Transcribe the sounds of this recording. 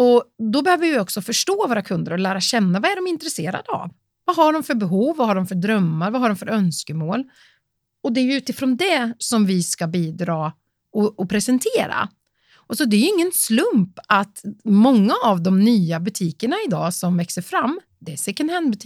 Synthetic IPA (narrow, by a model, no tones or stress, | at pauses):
ɔd̪ɔbɛhøːvəɾvɪɔksɔfœʂʈoːvoːɾakʰɵnd̪əɾɔlæːɾaɕɛnːavaæɖɔmɪnt̪ɾɛseːɾa̰d̪əa̰v | vaɦaɖɔmfœɾbɛɦuːvːaɦaɖɔmfœɖɾœmːaɾvaɦaɖɔmfœɾœnskəmoːl | ɔd̪ɛæɾjɵʉ̟ːt̪ɪfɾoːnd̪ɛsɔmvɪskabiːd̪ɾɑː | ɔɔpʰɾɛsɛnt̪ʰeːɾa̰ | sɔd̪ɛjɵɪŋːənslɵmpat̪mɔŋːaːvd̪ɔmnyːabɵt̪ʰiːkəɳaɪd̪ɑ̰ːsɔmvɛksəɾfɾamː | d̪ɛsɛkənhɛnd̪bɵt̪ʰiː